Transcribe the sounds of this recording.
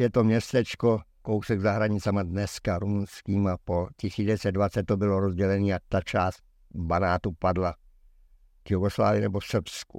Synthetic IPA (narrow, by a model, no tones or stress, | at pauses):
jɛt̪o̞mɲɛst̪ɛt͡ʃko̞kowsɛɡzaɦɾaɲɪt͡sɛmadnɛskaɾumunskiːmapo̞cɪsiːɛsɛd̪dvat͡sɛt̪t̪ːobɪloɾozɟɛlɛniːjat̪at͡ʃaːst̪̚ | banaːt̪upadla | v̥juɡosla̰ːvɪɪnɛbosr̩pskṵ